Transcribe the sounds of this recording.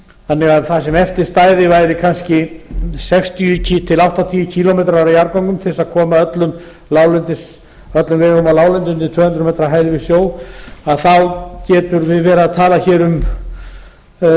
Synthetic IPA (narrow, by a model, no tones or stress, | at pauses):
θanːɛɣaðθasɛmɛft̪ɪɾ̥st̪aːjðɪvajɾɪkʰanscɪsɛkst̪ʰijʏcʰit̪ʰɪlawht̪at̪ʰiːjʏcʰiːlɔmejt̪ɾaaɾajaɾpawŋkʏmt̪ʰɪsaðkʰɔːmaœt̪lʏn | laːwlʏnt̪ɪs | œt̪lʏnvɛkɔmalaːwlɛnt̪ʏnt̪ɪt̪ʰœːhʏnt̪ɾʏmejt̪ɾaɦaːjðvɪsjoːwaðθawcɛːt̪ʏɾvɪðvɛːɾaðt̪ʰaːlaçɛːɾʏm